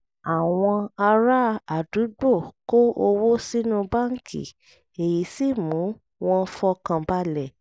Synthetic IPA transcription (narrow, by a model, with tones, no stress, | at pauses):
a˨w̃ɔ̃˧a˧ɾa˦a˨du˨˦ɡ͡bo˦˨ko˦ʔo˧wo˦si˦nũ˧ba˦ŋ̩˨kʰḭ˨ | e˨ji˨˦si˦˨mũ˨˦ | w̃ɔ̃˦˧fɔ˧kã˧ba˦lɛ˦˨